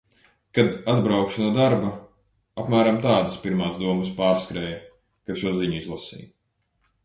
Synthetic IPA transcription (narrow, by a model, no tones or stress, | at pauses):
kad̪ad̪bɾawkʃunuɔd̪aɾba | apmæːɾamt̪aːd̪ɐspiɾmaːsd̪uɔmɨspaːɾskɾɛːjɐ | kat̪ʃuɔziɲuizlˠasḭː